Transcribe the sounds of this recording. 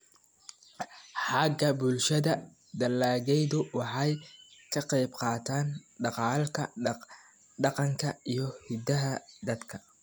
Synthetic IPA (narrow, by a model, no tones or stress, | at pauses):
ħɑɡɐbʊlʃɐðɐ | d̪ɐlːaːɣɛjðʊwɑħɑjkʰɐqɑjbqɑːt̪ʰaːnɖɑqɑːlkʰɐ | ɖɑqɑŋkʰɐijɞhɪd̪ɐɦɐd̪ɐd̪kʰɐ